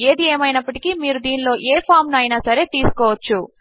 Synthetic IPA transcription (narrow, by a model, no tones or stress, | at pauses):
e̞ːd̪ieːmɐjnɐpːɐʈikimiːɾud̪iːnlo̞ːʔeːpʰaːɾmnɐjnaːsɐɾe̞ːt̪iːsu̥kɔːʋɐt͡ʃːu